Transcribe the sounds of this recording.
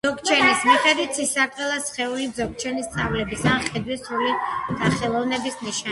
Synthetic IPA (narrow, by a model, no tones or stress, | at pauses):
ɔk̚ʰt͡ʃʰɛnismiχɛd̪wit̪ʰsisaɾt̪ʼɛlˠasχɛulid̪zɔk̚t͡ʃʰɛnist̪sʼavlɛbisanχɛd̪wisɾulisʰaχɛlˠɔvnɛbisniʃa